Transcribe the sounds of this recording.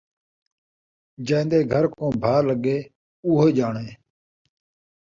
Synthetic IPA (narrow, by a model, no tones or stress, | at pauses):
d͡ʒẽːnd̪eːɡʱəɾkõːbʱaːləɠeː | uːɦeːd͡ʒaːɳeː